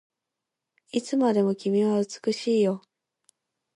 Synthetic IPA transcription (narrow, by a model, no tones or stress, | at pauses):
it͡sɨmad̪e̞mo̞kʲimʲiβaɯ̟t͡sɨ̥kɯ̟ɕiːjo̞